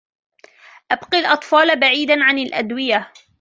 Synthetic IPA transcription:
ʔabqilʔɑt̪ˤfɑːlbaʕiːd̪anʕanalʔa̰d̪wɪja

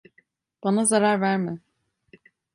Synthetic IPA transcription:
b̥anazaɾaɾvæɾmɪ

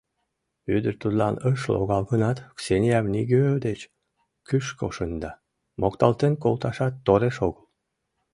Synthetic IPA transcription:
yd̪əɾt̪ud̪lɑnəʃlo̰ɣɑlɣənɑt̪ksenʲiɑvniɡøød̪et͡ɕ | kyʃko̰ʃənd̪ɑ | mokt̪ɑlt̪enkolt̪ɑʃɑt̪ːoɾeʃoɣəl

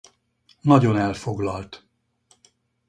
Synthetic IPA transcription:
nɒɟo̞nɛlfo̞ɡlɒlt̪

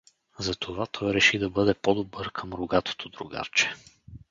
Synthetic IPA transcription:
zɐt̪ʰovat̪ʰɔjɾɛʃid̪ɐbɤd̪ɛpɔd̪obɤɾkʰəmɾʊɡat̪o̥t̪od̪ɾʊɡa̰ɾt͡ʃɛ̥

